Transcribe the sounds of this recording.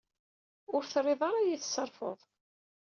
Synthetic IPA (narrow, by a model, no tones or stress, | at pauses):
ʊɾθrˤːeðˤɑɾˤɑjiθsɑɾˤfo̰ðˤ